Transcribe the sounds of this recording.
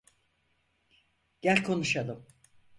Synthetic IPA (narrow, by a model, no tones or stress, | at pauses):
ɟ̥ælʲkʰo̞nuʃalˠɯm